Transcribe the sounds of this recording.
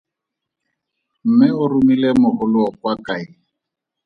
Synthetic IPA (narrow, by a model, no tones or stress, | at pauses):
m̩mɪʊrumilɛmʊhʊlʊɔkwakaɪ